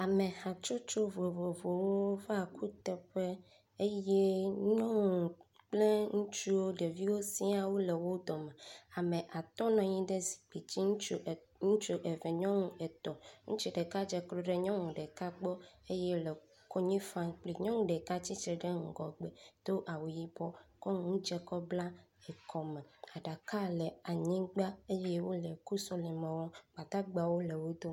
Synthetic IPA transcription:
a˨mẽ˨ha˨t͡ʃo˦t͡ʃo˦vo˨vo˨vo˨wo˦fa˨kʰu˦t̪ɛ˨ɸe˦ | e˦je˦ɲɔ̃˦ŋũ˨ | k͡ple˦ŋũ˦t͡ʃu˦wo˦ɖe˨vi˦wo˦sĩ˦a˨wu˦le˨wo˦d̪ɔ˨mẽ˨a˨mẽ˨ʔa˨t̪ɔ˦nɔ̃˨ɲĩ˦ɖe˦zi̥˨k͡pi˨t͡ɕi˦ŋ˦ | ŋũ˦t͡ʃu˦ʔe˨vɛ˨ɲɔ̃˦ŋũ˦ɛ˨t̪ɔ˨ŋṵ̃˦t͡ʃi˦ɖe˨ka˦d͡ʒɛ˨klo˦ɖe˦ɲɔ̃˦ŋũ˨ɖɛ˨ka˦ɡ͡bɔ˦e˦jɛ˦le˨ | ko˦ɲĩ˦fã˦k͡pli˨ɲɔ̃˦ŋũ˦ɖɛ˨ka˦t͡ɕi˦t͡ʃɾɛ˨ɖe˦ŋ̩˨ɡɔ˨ɡ͡bɛ˨d̪̥o˦ʔa˨wu˨ji˦bɔ˦kɔ˦ŋ˦ũ˦d͡ʒɛ˦kɔ˦bla˦ɛ˨kʰɔ˨mẽ˨a˨ɖa˨ka˦lɛ˨a˨ɲĩ˦ɡ͡ba˦e˦jɛ˦wo˦le˨ku˦sɔ˦li˨mẽ˨wɔ̃˦k͡pa˨t̪a˦ɡ͡ba˨wo˦le˨wo˦d̪o˦

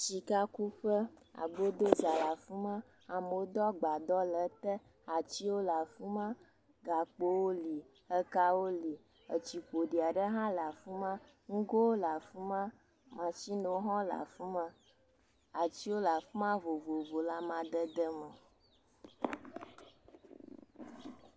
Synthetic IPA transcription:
t͡ʃi˨ka˦ku˦ɸə˦a̰˨ɡ͡bo˦d̪ə˦d͡ʒa˨la˨fu˦mã˦ | a˨mo˨o˦d̪ɔ˦ɡ͡ba˨d̪ɔ˦lə˨t̪ə˦ | a˨t͡ɕi˦wo˦la˨fu˦mã˦ | ɡa˨k͡po˦wo˦li˨ | ə˦ka˦wo˦li˨ | ə˨t͡ɕi˨k͡po˨ɖi˨a˨ɖə˦ɦã˦la˨fu˦mã˦ | ŋ̩˦ɡo˦wo˦la˨fu˦mã˦ | mã˨t͡ʃi˦no˨wo˦ɦɔ̃˦la̰˨fu˦mə̃˦ | a˨t͡ɕi˦wo˦la˨fu˦mã˦vo˨vo˨vo˨la˦mã˨d̪ə˦d̪ə˦mə˨

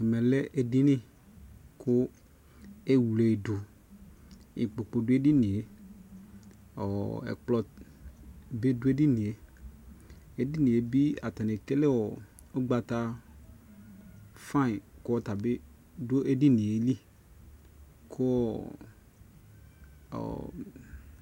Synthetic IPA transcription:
ɛ˨mɛ˨lɛ˦ʔe˦dɪ˦nɪ̃˦ | kʊ˦ | e˦wu˨le˨i˨dʊ˨ | ḭ˨k͡po˨k͡po˨dʊ˦e˦dɪ˦nĩ˨e˦ | ɔ̰˨ɛ̰˨k͡plɔ˦ | be˦dʊ˦e˦di˦nĩ˨e˨ | e˦di˦nĩ˨e˨bi˦a˨t̪a˨ne˨ke˦le˦wɔ˨ | o˦ɡ͡ba˨t̪a˦ | fã˦˨kʊ˦ɔ˦t̪a˨be˦ | do˦e˦di˦nĩ˨e˨˦li˦ | kʰʊ˦ɔ˦ | ɔ̰˨

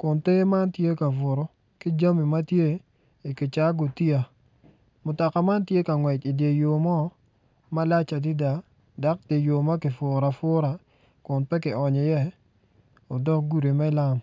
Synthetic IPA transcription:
kʊ˨nte˦ma˦ntje˦ka˨vʊ˨ɾɔ˨ | ki˦d͡ʒa˦mi˨ma˦tje˦ | i˨ki˨t͡ʃa˦ɡo˨ti˦a˨ | mʊ˨ta˨ka˨ma˦ntje˦ka˨ŋwɛ˨t͡ʃi˨dje˨jo˨mɔ˦ | ma˦la˦t͡ʃa˨di˦da˨ | da˦k̚de˨jo˨ma˦kɪ˨fʊ˨ɾa˨fʊ˦ɾa˨ | kʊ˨ntɛ˦kɪ˨ɔ˨ɲɔ˨jɛ˦ | o˨dɔ˦k̚ɡu˦˨ɾe˨mɛ˦la˦m

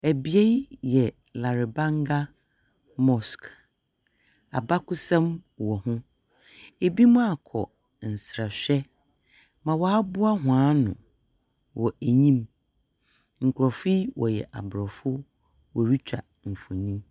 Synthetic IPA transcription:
æ˨bi˨e˦jɛ˨ | la˨ɾɪ˨bã˦ŋɡa˦ | mɔ˨sk | a̰˨ba˦kʊ˦sã˦mwɔ˨hʊ̃˦ | e˨bi˦mʊ̃˦a˨kʰɔ̰˨ | n̩˨sɾa˨ɕᶣɛ˦ | mã˨wɔ˦a˦bʊ˦a˦ɦʊ̃˨ãː˨˦nʊ̰̃˨ | wɔ˨ʔæ˨ɲĩ˦m | ŋ̩˨kʷʰɾɔ˨fi˦wɔ̰˨jɛ̰˨ʔa̰˨bɾɔ˨fʊ˦ | wɔ˨ɾi˦t͡ɕᶣa̰˨ | ɱ̩˨fʊ˨ɲĩ˦m

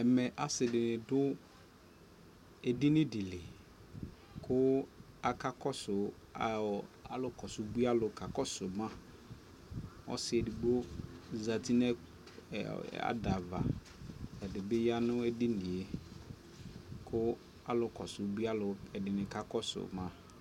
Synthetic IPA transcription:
ɛ˨mɛ˨ʔa˨sɪ˨dɪ˨nɪ̃˨dʊ˦ | e˨dɪ˦nɪ̃˦dɪ˨lɪ˨ | kʊ˦ | a˨ka˦kɔ˦sʊ˨ | a˨a̰˨˦lʊ˨kɔ˨sʊ˨bu˦a˦lʊ˨ka˨kɔ˦sʊ˨mã˦ | ɔ̰˦sɪ˨ɛ˨di˨ɡ͡bo˦za˨ti˦nɛ̰˦˨ | a̰˨˦da˨va̰˨ | ɛ˨dɪ˨bɪ˦ja˦nʊ̃˦ɛ˦dɪ˦nɪ˨e˨ | kʰʊ˦ | a˨lʊ˨kɔ̰˨sʊ˨˦bu˦a˦lʊ˨ɛ˨dɪ˨nɪ̃˨ka˦kɔ˦sʊ̰˨mã˦

